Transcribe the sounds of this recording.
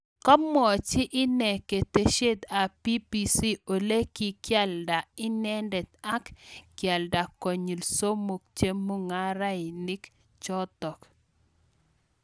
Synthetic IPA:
kɔ˦mːɔ˨t͡ʃɪ˦ʔɪ˦nɛ˨ke˨t̪e˦ʃe˦d̪a˨pi˦pi˨si˦o˨le˦ki˨kja˦lda˨ɪ˦nɛ˦ndɛ˨t̪a˦kkja˨lda˨kɔ˨ɲi˨lso˦mo˨k̚t͡ʃe˦mːu˦ŋa˦ɾa˦ɪ˨nɪ˦k | t͡ʃɔ˦t̪ɔ˨k

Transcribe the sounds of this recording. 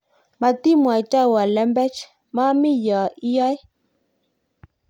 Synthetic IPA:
ma˨ti˦mwa˨t͡ʃa˦˨wa˨lɛ˦mbɛ˦t͡ʃ | ma˦mi˦ja˨i˦jɔ˦j

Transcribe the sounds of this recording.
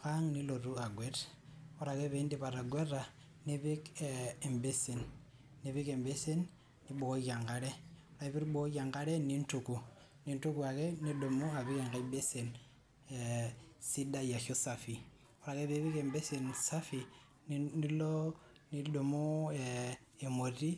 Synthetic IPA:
ka˦ŋni˦lo˨ɾu˦a˨ɡwe˦t | o˦ɾa˨ke˦βe˦ndi˦pa˨ɾa˨ɡwe˦ra˨ | ni˦βi˦kee˨mbe˦si˨nː | i˨˦βi˦ke˨mbe˦si˦n | ni˦ɓo˨ko˦ja˨ŋɡa˦ɾe˦o˦ɾa˨βi˦ɾɓo˦ja˨ŋɡa˦ɾe˦ni˦ntu˨ku˨ | ni˦ntu˦ku˨a˨ke˦ni˦do˨mu˦a˨βi˦ke˨ŋɡa˦ibe˦se˨n | esi˦da˦ja˨xo˦sa˨fi˨ | o˦ɾa˨ke˦βe˦βi˦ke˨mbe˦si˨nsa˦fi˨ | ni˦lo˦ | ni˦do˨mo˦e | e˨mo˨ɾi˦

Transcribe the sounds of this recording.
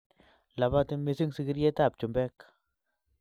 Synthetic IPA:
la˨βa˦ti˦me˧si˦ŋsi˧ki˦ɾje˦ta˦˨p̚t͡ʃu˨mbɛ˦k

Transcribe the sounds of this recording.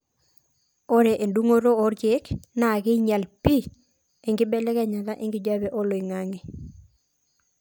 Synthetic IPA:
o˦ɾe˨ʔe˨ndu˦ŋo˦ɾo˦o˦ɾje˦kna˨kɪ˦ɲa˨lpi˦ | e˨ŋɡɪ˦bɛ˦lɛ˦ka˦˨ɲa˨la˦ʔɪ˦ŋɡɪ˨d͡ʒa˦bɛ˨ʔo˦lo˨i˨ŋa˦ŋi˨

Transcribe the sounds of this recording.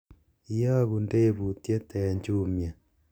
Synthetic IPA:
i˦ja˦ɣu˨ndeː˦βutje˦tɛ˨ɲd͡ʒumja˨

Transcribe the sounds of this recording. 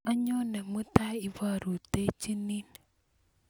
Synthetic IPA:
a˦ɲɔ˦nɛ˨mu˦t̪a˦i˨wa˦ɾu˨t̪e˦t͡ʃi˦ni˦n

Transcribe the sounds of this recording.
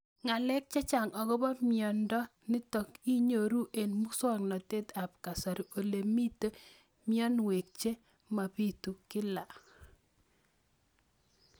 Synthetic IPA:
ŋa˨lɛ˦k̚t͡ʃɛ˦t͡ʃa˨ŋɔ˨ɡɔ˦ba˦mɪɔ˨ndɔ˦ | nɪ˦tɔ˨ki˦ɲo˨ɾu˦ʔe˨nmu˦sɔ˦ŋnɔ˨te˦t̪a˨p̚ka˨sa˨ɾi˨o˨le˨mi˦t̪e˦ | mɪ˦ɔ˦nwe˨k̚t͡ʃe˦ | ma˨pi˦t̪u˨kɪ˦la˨

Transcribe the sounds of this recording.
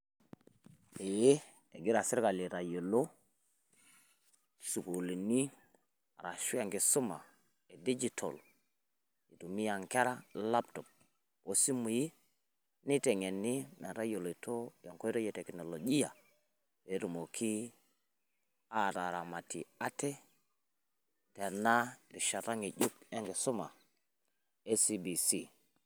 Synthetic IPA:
e˨je˦ | e˨ɡi˦ɾa˨si˦ɾka˨li˨ɾa˨jo˨lo˦ | su˨ko˨li˨ni˦ | a˨ɾa˨ʃu˦a˨ŋɡe˨su˦ma̰˨ | e˨di˦d͡ʒi˨tʰo̰˨l | i˨tu˨mi˦ja˨ŋke˦ɾa˦la˦pto˨p̚ | o˨si˦mu˨ji˦ | ni˦te˨ŋe˨nːi˦me˨ɾa˦jo˨lo˨to˦jo˨ŋko˦ɾo˦je˨te˨kno˨lo˨d͡ʒi˦ja˨ | je˨˦ɾu˨mo˨kʰi˦ | a˨ɾa˨ɾa˨ma˨tḭ˨a˦te˦ | te˨na˦ɾi˨ʃa˨ta˦ŋi˨d͡ʒu˦kja˦ŋɡe˨su˦ma˨ | e˦si˦bi˨si˦

